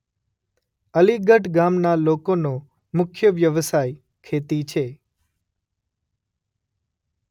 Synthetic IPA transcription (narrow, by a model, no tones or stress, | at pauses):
əliɡəʈɡamnalokonõ | mʊkʰjəʋjəʋsaj | kʰet̪it͡ʃʰe